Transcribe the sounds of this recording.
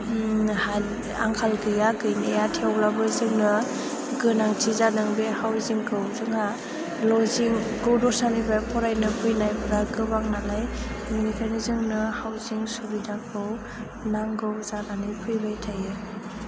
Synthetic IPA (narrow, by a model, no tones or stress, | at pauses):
ha | a̰ŋkʰalkʰɯjaɡɯjnijatʰiawlabɯzɯŋnɯ | ɡɯnaŋtʰizanɯŋbehawziŋkʰɯwzɯŋa | lɔziŋɡɯwdɔsanibapʰɔɾajnɯpʰɯjnajbɯɾaɡɯbaŋnanajminikʰanizɯŋnɯhawziŋsɔlidakʰɯw | naŋɡɯwzananɯjpʰɯjbajtʰajɯ